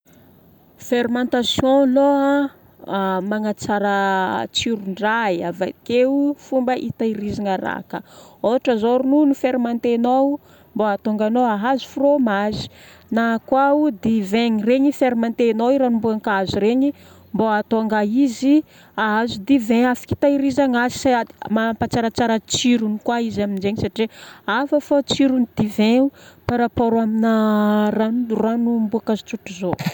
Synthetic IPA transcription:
feɾmãnt̪asjɔ̃loa | maŋat͡saɾət͡siɾuɳɖ͡ʐaiavakeufumbəʔit̪aiɾiziŋaɾa̰kəoɦaʈ͡ʂəzoɾununifeɾmãnt̪enow | mboat̪oŋɡanowaɦazu̥furomazi̥nakwaud̪iveɲireɲifeɾimant̪enowiɾanumbuaŋkazuɾeɲi | mboat̪oŋɡaizi | aɦazud̪ivẽafi̥ki̥t̪aiɾizaŋasi̥saamapat͡saɾat͡saɾat͡siɾunikwaizamind͡ʒeɲisaʈ͡ʂiafəfat͡siɾunid̪̥ivẽupaɾapaɾuaminaranranumbuakazu̥t͡suʈ͡ʂizo

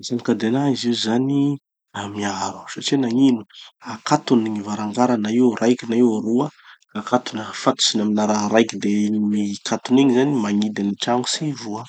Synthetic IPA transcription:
zanikad̪enaiziuzani | amiaɾusaʈ͡ʂinaŋinuakat̪uniŋivaɾaŋɡaɾanaiurʔajkinaiwaɾuakakat̪unəfat̪u̥sinaminaɾaɾajkid̪emikʰat̪uniŋizanimaŋid̪aniʈ͡ʂaŋusivua

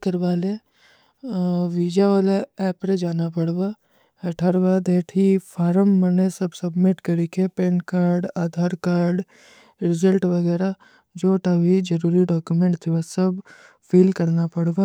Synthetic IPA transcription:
kəɾʋaːle | ʋid͡ʒaʋaːlaɛːpɾed͡ʒaːnapɐɽʋa | ɐʈʰaːɾʋaːd̪eːʈʰipʰaːɾəmːɐnesɐbsɐbmɪʈkɐɾikʰepẽɳkaːɾɖaːd̪ʱaːɾkaːɾɖ | ɾɪzəlʈʋɐɡɛːɾa | d͡ʒoːʈɐbʱid͡ʒɐɾuːɾiɖɔːkumẽɳʈt̪ʰiʋasɐb | fʰiːlkɐɾnapɐɽʋa

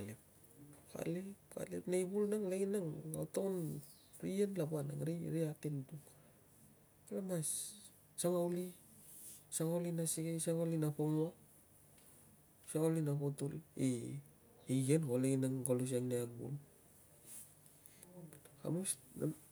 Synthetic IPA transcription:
alep̚ | ka̰lepka̰lḛpnajbulnaŋlaɡinaŋɡawton | ɾijenlabanaŋɾiɾiatenduk | klamasː | aŋawli | saŋawlinasiɡejsaŋalinapomua | saŋawlinakotuliː | ɡenkoleɡinaŋɡolus̬aŋneaɡbṵl | ha̰musa

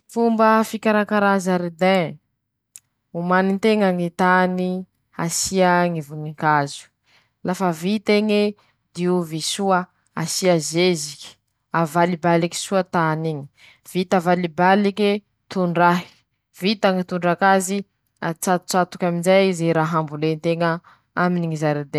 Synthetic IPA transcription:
fumbəfikaɾakaɾazaɾid̪ɛ̃ | umanint̪eŋaŋit̪ani | asiaŋivunikazu̥ | lafəvit̪eɲe | d̪iuvisuə | asiazeziki̥ | avalibaliki̥suat̪aniɲi̥ | v̥it̪avalibalike | t̪uɳɖ͡ʐaɦi̥ | vit̪aŋit̪uɳɖ͡ʐakazi | at͡sat̪u̥t͡sat̪u̥kʲaminzajzeɾaɦambulent̪eŋə | aminiŋizaɾed̪e

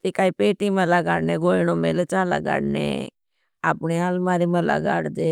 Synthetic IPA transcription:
t̪ekaːipeːʈiməlaɡaːɽneɡoːinomelt͡ʃaːla̰ɡa̰ːɽnḛ | aːpɳeaːlmaːɾiməla̰ɡa̰ːɽd̪e

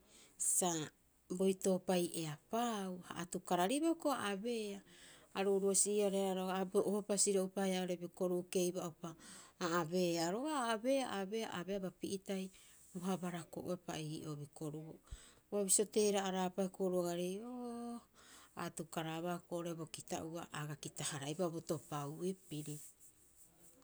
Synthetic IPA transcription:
sa | bo̞jto̞ːpajʔe̞apawha̰ʔatukaɾaɾibakoaʔabe̞aːɾuɾuosiːaɾeaɾoɡaʔoopasiɾoʔupajaoɾebiko̞ɾuke̞jbaʔopaaːbe̞ːaɾo̞ɡaːbe̞aʔabe̞a̰ʔabeabapiʔitaj | buɦabaɾako̞̰ʔṵapa̰ʔiʔobiko̞ɾuo | aβiso̞te̞ːɾaaɾaːpaikoɾuoɡaɾejo | atukaɾaβakoʔoɾebokita̰ʔuaʔaɡakitahaɾajbaboto̞pawepiɾi

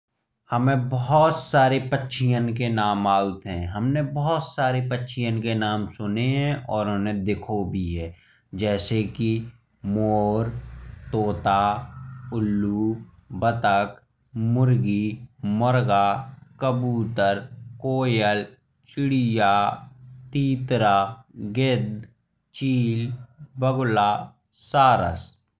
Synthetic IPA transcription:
həmẽbɔɦɔt̪saːɾepətːʃʰijənkenaːmaːut̪ɦɛ̰̃ːɦɐmnebɔɦɔt̪saːɾepətːʃʰijənkenaːmsʊneɦɛ̃ʔɔːɾɦənẽd̪eːkʰobʱiɦɛː | d͡ʒɛːseki | moːɾt̪oːt̪a | ʊlːu | bət̪ək | mʊɾɡiməɾɡaːkəbuːt̪əɾkoːjəl | t͡ʃɪɽijaːt̪iːt̪ɾaːɡɪd̪ | t͡ʃiːlbəɡlaː | saːɾə̰s

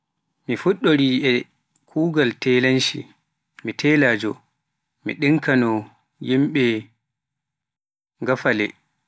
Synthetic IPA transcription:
mifuɗːoɾiɛ | kʰuːɡaltɛlanʃḭ | mitʰɛlaːd͡ʒɔ | mḭɗiŋkanɔ | jimɓɛ | ŋɡafalɛ̰

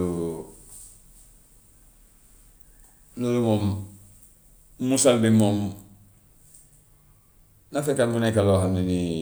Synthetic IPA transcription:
lulumom | musalbimom | nafekalmunakalohamini

